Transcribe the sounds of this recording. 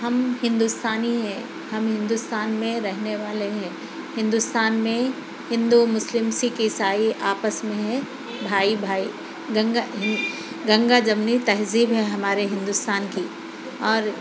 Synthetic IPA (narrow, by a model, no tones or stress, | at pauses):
ɦɐmhɪ̃nd̪ust̪aːniɦɛ̃ | hɐmɦɪ̃nd̪ʊst̪aːnmẽɾɛɦneʋaːleɦɛ̃ː | hɪ̃nd̪ʊst̪aːnmẽ | hɪ̃nd̪umʊslɪmsikisaːiʔaːpəsmẽɦɛ̃ | bʱaːibʱaːi | ɡɐ̃ŋɡaɦ | ɡɐ̃ŋɡad͡ʒɐmnit̪ɐɦziːbɦɛɦɐmaːɾeɦɪ̃nd̪ʊst̪aːnki | ɔːɾ